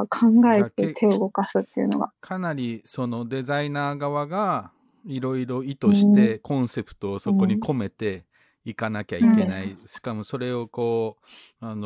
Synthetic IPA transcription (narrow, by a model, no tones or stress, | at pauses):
kʰãŋɡaek̪et̪ʰe̞ːɡo̞kasɨt̪ːeiɯ̟no̞̰ɡa̰kʰanaɾʲiso̞no̞d̪e̞zainaːɡaβaɡa | iɾo̞iɾo̞it̪o̞ɕi̥t̪e̞kõ̞ɰ̃se̞pɯ̟̥t̪o̞ːso̞ko̞ɲ̟ikʰo̞me̞t̪e̞ | ikanakʲaike̞naiɕi̥kamo̞so̞ɾe̞o̞ko̞ː | ano